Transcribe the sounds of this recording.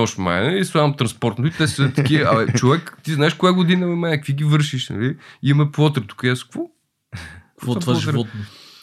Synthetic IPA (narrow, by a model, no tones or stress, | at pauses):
ɔʃma̰isamt̪ɾɐ̃nspɔɾt̪ot̪it̪ɛsɐt̪ɐkʲiəaɛt͡ʃovɛkt̪iznaɛʃkojaɡod̪inɐmɛmaɛkviɡivəɾʃiʃnɐ̰liimɛpvɔt̪ɾət̪u̥kɐjaskvɔ | kvɔt̪vaɔʒit̪vɔt̪nu